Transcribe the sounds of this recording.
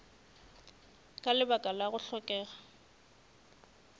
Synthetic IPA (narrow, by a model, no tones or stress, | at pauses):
kʼalɪbakʼalaɣʊɬɔkʼɛːɣa